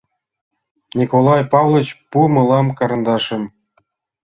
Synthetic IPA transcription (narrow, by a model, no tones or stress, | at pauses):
nʲikolˠɑjpɑvlˠɤt͡ɕpumɤ̆lˠɑmkɑɾɤ̆nd̪ɑʂɘ̆m